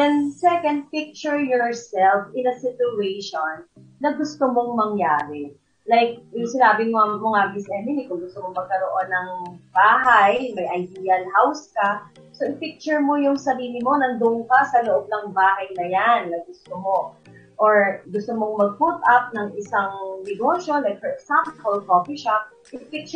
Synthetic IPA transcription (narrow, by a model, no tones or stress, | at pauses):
ɛnsɛkɐnd̪̚pɪk̚t͡ʃʊɹjɔɹsɛlfɪ̃nɐsɪtʊejʃonː | ɐɡʊst̪omoŋmɐŋjaːɾɛ | lajk̚jʊŋsɪnaːbɪŋoɐmʊŋabisʔɛmɪnikʊŋɡʊst̪omoŋmɐɡ̚kɐɾoʔonːɐŋbaːɦajmɐjʔɐjd̪iːɐlhawskɐ | so̞ʔɪpik̚t͡ʃʊɹmojʊŋsɐɾiːlɪmo̞nɐŋd̪ʊʔʊŋkasɐloʔob̚nɐŋbaːɦɐjnɐjanːɐɡʊst̪omo | ʔoɹɡʊst̪omoŋmɐɡ̚put̪ʔɐp̚nɐŋʔɪsaŋnɛɡo̞ʃjo̞lajk̚fɔɹɛksãmpolkofiʃap̚ | ʔɪpik̚t͡ʃ